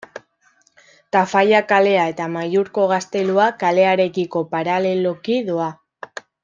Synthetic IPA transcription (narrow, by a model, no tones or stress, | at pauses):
t̪afajakale̞ae̞t̪amajuɾko̞ɣ̞ast̪e̞luakale̞aɾe̞kiko̞paɾale̞lo̞kiðua